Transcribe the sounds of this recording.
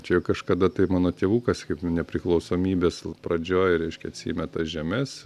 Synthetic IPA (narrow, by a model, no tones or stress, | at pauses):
t͡ʃʲɛjɛʊkɐʃkɐd̪ɐt̪ɐɪmɑːnoːt̪ʲeːʋuːkɐskɐɪpnʲɛpʲɾʲɪklˠɒʊsoːmʲiːbʲeːspɾɐd͡ʒʲoːjɾʲɛɪʃʲkʲɛɐt̪ʲsʲḭːmʲɛt̪ɐsʒʲɛmʲɛs